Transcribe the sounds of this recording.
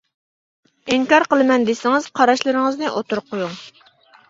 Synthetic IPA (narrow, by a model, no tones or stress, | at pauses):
iŋkɑɾqəlˠɨmɛnd̪esɪŋɪz̥qʰɑɾɑʃlˠɨɾɪŋɨznɨʔot̪uɾqːojuŋ